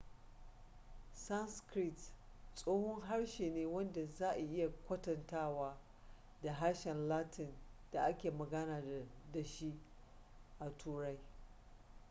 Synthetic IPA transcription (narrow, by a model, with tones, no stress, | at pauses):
sa˦nskɾi˦t | sʼoː˦hʊ˦ŋɦa˦ɽʃeː˨neː˦wɐ˦nda˨zaː˦ʔa˨ʔɪ˦ja˨kʷɐ˦tɐ˨ntaː˦˨waː˦ | da˨ɦa˦ɽʃɛ˨nlaː˦tʰɪ˨nd̥a˨ʔa˦kʲeː˨mɐ˨ɡɐ˦naː˨da˨ʃi˦ʔ | ʔa˨tʰuː˦ɽa˦j